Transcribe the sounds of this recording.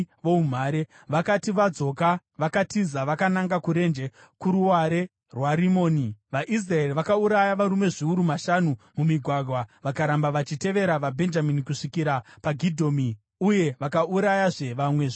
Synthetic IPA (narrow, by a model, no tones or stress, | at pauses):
ʋoum̤aːɾe | ʋakatiʋad͡zo̞ka | ʋakatizaʋakanaŋɡakuɾe̞nd͡ʒe | kuɾuwaɾe̞ | rwaɾimoːniʋaʔis̬rae̞riʋakauɾajaʋaɾume̞ʐiuɾumaʃanumumiɡʱwaɡʱwaʋakaɾambaʋat͡ʃite̞ʋe̞ɾaʋabʱe̞nd͡ʒaminikuʂikiɾapaɡʱidʱo̞ːmi | uje̞ʋakauɾajaʐe̞ʋamwe̞ʐ